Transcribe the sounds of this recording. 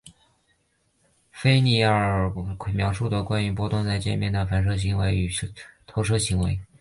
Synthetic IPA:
fe˥ɪni˥˩a˥˩ə˨˩kʰwe˨˩mjɑ˧˥ʊʂu˥˩d̪ə˩kwa˥ny˧˥p̬wɔ˥t̪ʊ˥˧ŋt͡sa˥˧ɪt͡ɕjɛ˥˧nmjɛ˥˩nd̪ə˩fa˨˥˩nʂ̬ɤ˥ɕ̬i˧˥ŋwe˧˥ɪy˨˩˥t̪ʰo˧˥ʊʂ̬ɤ˥ɕi˧˥ŋwe˧˥ɪ

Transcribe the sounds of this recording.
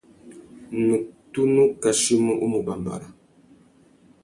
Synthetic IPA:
nu˨k̚tu˦nu˦ka˨ʃi˦mu˦ʔu˦mu˨ba˨mba̰˨ɾa˨

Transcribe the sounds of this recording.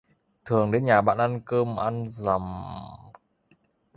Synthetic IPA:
t̪ʰɨ˨˩əŋɗe˨˦nɲaː˨˩ɓa̰ː˧˨nʔa˧nkəː˧mʔa˧nza˨˩m

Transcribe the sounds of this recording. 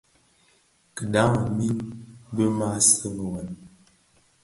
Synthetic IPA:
kə˨da˨˦ŋa˨mi˦nbə˦ma˦˨sə˦mə˨wa˨n

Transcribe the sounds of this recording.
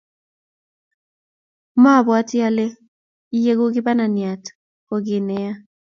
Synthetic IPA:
ma˦˨bɔ˨a˦tja˦le˦ | je˦ɡo˦ɡɪ˦ba˦na˨nja˨t | kɔ˨ɡɪ˨nɛ˦ja˦

